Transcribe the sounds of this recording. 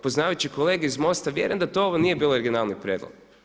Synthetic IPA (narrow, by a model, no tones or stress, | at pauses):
poznaːʋajt͡ʃiko̞leːɡeizmo̞st̪aʋjḛɾemd̪at̪ooʋonije̞biːlooɾɡʲinalnipɾʲeːd̪lˠo̰ɡ̥